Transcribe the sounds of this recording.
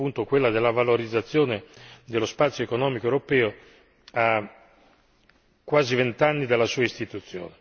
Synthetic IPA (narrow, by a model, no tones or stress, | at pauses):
unt̪okwelːad̪elːavaloɾid̪zːat̪sːjoːned̪elospat̪sjoekonɔːmikoewɾopɛːo | a | kːwaːzivent̪anːid̪alːasuːaist̪it̪ut̪sːjo̰ːne